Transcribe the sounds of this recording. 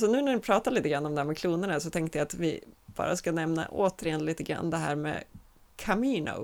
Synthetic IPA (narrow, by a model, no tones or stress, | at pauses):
sɔnʉ̟ːnæɾnɪpʰɾɑːt̪aɭiːt̪əɡɾanːɔmd̪ɛhæːɾmɛkʰluːnəɳasɔt̪ʰɛŋkt̪əjaat̪vɪb̥ɑ̰ːɾa̰skanɛmna̰ʔoːt̪əɾɪjɛnliːt̪əɡɾa̰nːd̪ɛɦæ̰ːɾmɛ̰ | kʰamiːnʊ̰